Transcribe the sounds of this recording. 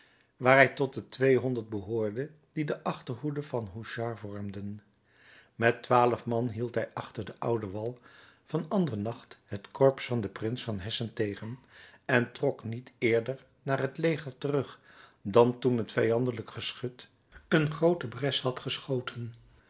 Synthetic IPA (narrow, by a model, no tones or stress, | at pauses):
ʋaːɹɦɛjtɔt̚dətʋejɦɔndəɹt̚bəɦʊːɹdə | didəʔɑχtəɹɦudəv̥ɑnɦuʃɑɹvɔɹmdən | mɛtʋaːləfmɑnɦilˠtɦɛjʔɑχtəɹdəʔʌwdəʋɑlˠ | v̥ɑnɑndərənɑχtɦətkɔɹpsfɑndəprɪnsfɑnɦɛsəntejχənɛntrɔknitɪːɹdəɹ | naːɹɦətlejχəɹtərɵχ | dɑntunɦətfɛjɑndələkχəsχɵt | ənχrowtəbrɛshɑtχəsχowtʰən